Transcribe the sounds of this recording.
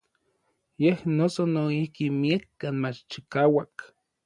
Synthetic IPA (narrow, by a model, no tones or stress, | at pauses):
jehnosonoihkimiakːaːnmat͡ʃt͡ʃikaːwak